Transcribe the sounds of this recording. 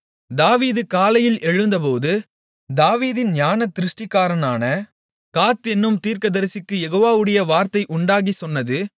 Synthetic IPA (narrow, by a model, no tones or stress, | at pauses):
d̪aːʋiːðɯkaːlɐjɪlɛɻɯnd̪ɐpoːðɯ | d̪aːʋiːðɪnɲaːnɐt̪ːɪɾɯʂʈɪkːaːɾɐnaːnɐ | kaːt̪ɛnːɯmt̪iːɾkɐðɐɾɐsɪkːɯjɛɣoːʋaːʋɯɽɐjɐʋaːɾt̪ɐɪʔʊɳɖaːɣisɔnːɐðɯ